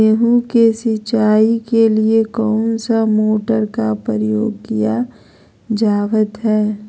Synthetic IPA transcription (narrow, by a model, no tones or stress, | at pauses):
eːɦũkesɪt͡ʃaːikeliekɔːnsamoːʈəɾkapəɾəjoːɡkija | d͡ʒaːʋət̪ɦɛː